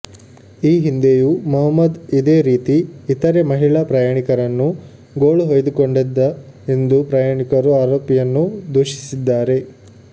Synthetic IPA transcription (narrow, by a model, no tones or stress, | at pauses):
iːɦind̪ejumɐɦɐmːɐd̪id̪eːɾiːt̪iːt̪ɐɾemɐɦiɭapɾɐjaːɳikɐɾɐnːu | ɡoːɭuɦoːjd̪ukoɳɖid̪ːɐ | end̪upɾɐjaːɳikɐɾuaːɾoːpijɐnːud̪uːʃi̥sid̪ːaːɾe̞